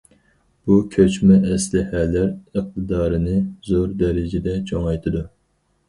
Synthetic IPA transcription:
b̥ukʲʰøt͡ʃmɛʔɛslɪhɛlːæɾəq̚t̪ʰɨd̪ɑːɾɨnɨzoɾd̪ɛɾɪd͡ʒɪd̪ɛt͡ʃʰoŋɑjt̪ʰɨd̪u

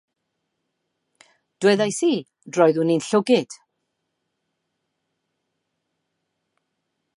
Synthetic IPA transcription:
d̥wɛðajsiː | drɔɨðuninɬʊɡɪd̥

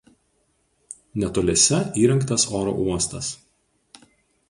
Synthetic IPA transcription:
nʲɛt̪oːlʲɛsʲɛiːɾʲɐŋˑkt̪ɐsoːɾo̰ʔuɔst̪ɐs

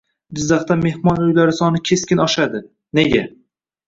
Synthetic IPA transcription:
d͡ʒɪzːɑχt̪ame̞hmɒnʊjlaɾɪsɒnɪkʲʰe̞skʲɪnɒʃad̪ɪ | ne̞ɡʲa̰

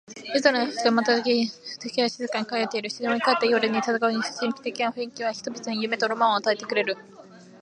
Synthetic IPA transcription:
ɾizaɾaçi̥t̪omat̪aakʲit̪ekʲiaɕizɨkãŋkajot̪ːeiɾɯ̟ɕizẽoikat̪ːejoɾɯɲ̟ːit̪azakaɯɲi̥ɕĩŋkʲi̥t̪e̞kʲinaɸɯ̟ĩŋkʲiβ̞açi̥t̪obʲit̪ɨɲ̟ijɯ̟me̞t̪oɾomãoat̪ae̞t̪e̞kɯ̟ɾe̞ɾɯ̟

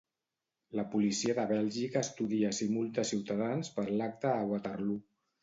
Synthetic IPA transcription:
ləpulisiəðəβɛlʒikəːst̪uðiəsimulˠt̪əsiwt̪aðanspəɾlak̚t̪əːɣwat̪ərlu

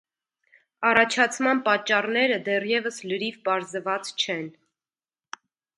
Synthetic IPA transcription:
ɑrɑt͡ʃʰɑt͡sʰmɑnpɑt͡ʃːɑrnɛɾəd̪ɛrjɛvəsləɾivpɑɾzəvɑt͡st͡ʃʰɛn

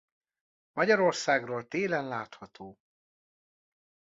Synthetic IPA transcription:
mɒɟɒɾo̞rsaːɡroːlt̪eːlɛnlaːt̪hɒt̪ʰoː

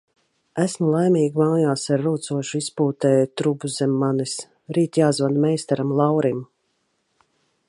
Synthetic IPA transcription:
æsmulˠajmiːɡmaːjaːsaɾːuːt̪suɔʃuispuːt̪ɛːjt̪ɾubuzɛmːanis | ɾiːt̪jaːzvad̪mɛjst̪ɛɾamlˠawɾim

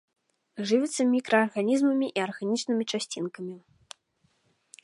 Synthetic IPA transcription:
ʐɨvʲɛt̪sːɐmʲikɾɐːrɣanʲizmɐmʲiʔiɐrɣanʲit͡ʂnɨmʲit͡ʂasʲt͡sʲinkɐmʲi

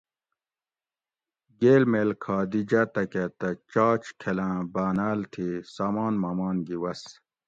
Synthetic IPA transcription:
ɡeːlmeːlkʰaːd̪id͡ʑɐt̪ɐket̪ɐt͡ɕaːt͡ɕkʰelãːbaːnaːlt̪ʰisaːmaːnmɐmaːnɡiwɐs

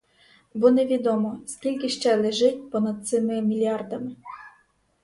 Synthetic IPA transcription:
bɔneʋʲid̪ɔmɔskʲilʲkɪʃt͡ʃɛlˠɪʒɪtʲpɔnɐd̪̚t̪sɪmɪmʲilʲiɑrd̪ɐmɪ

